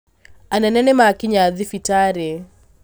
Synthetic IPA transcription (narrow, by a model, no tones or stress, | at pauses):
anɛnɛnɛmakiɲaðifitaɾɛ